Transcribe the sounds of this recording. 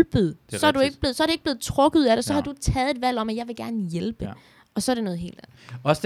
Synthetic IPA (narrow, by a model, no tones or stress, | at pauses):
b̥əð̩ˠsɒ̽æɐd̥ue̝ɡ̥əb̥le̝ð̩ˠsɒ̽ɐɾe̝ɡ̥̚b̥le̝ːð̩ˠt͡sʰʁɔ̽ɡ̥ð̩ˠæɾ̥esɒ̽hɑ̈d̥u̥t͡sʰɛːð̞̩ˠed̥ʋæl̰ɒ̽mæjɑ̈ɪʋe̝ɡ̥æɐnəjelb̥ə | ɒ̽sɒɐɾ̥e̝nɔ̽ːð̞̩ˠɦe̝̰ːld̥æn̩ˠ | ɒs